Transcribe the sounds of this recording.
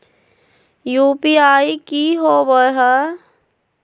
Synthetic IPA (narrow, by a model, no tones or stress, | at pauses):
juːpiaːikiɦobəɦə